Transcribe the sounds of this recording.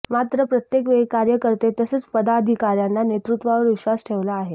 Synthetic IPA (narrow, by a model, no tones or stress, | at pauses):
mat̪ɾəpɾət̪jekʋekaɾjəkəɾt̪et̪əsət͡spəd̪ad̪ʱikaɾjanːanet̪ɾut̪ʋaʋəɾʋiɕʋasʈʰeʋlaːɦe